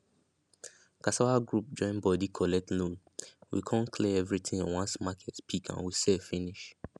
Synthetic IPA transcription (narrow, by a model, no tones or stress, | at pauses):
kasawaɡɹup̚d͡ʒɔ̃ɪ̃nbɔdikʰɔlɛk̚tlũn | wḭkʰãnkʰleɛvɹitʰĩŋɔ̃nwãnsmakʰɛtpʰikã̰nwisɛfĩniʃ